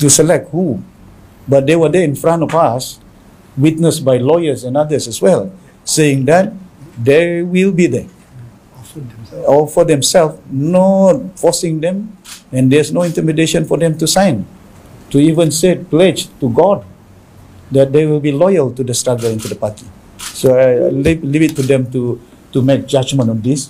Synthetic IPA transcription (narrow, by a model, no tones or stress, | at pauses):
tusəlɛk̚t̚hu | bat̚d̪ewədɛĩnfɹãntɔfas | wit̚nəsbajlɔjəsɛ̃nadəsɛswɛl | seɪ̃ŋd̪ɛt̚d̪ewilbid̪ɛ | ɔfɔdɛ̃msɛlfnot̚fɔsɪ̃ŋdɛ̃mɛ̃ndɛsnoĩntimideʃə̃nfɔdɛ̃mtusãjn | tuivə̃nseplɛd͡ʒtuɡɔd̚ | dɛt̚d̪ewilˠbilɔjəltudəstɹaɡəlĩnt̪udəpati | soalilivitːudɛ̃mtu | tumɛk̚d͡ʒad͡ʒmə̃nɔ̃ndis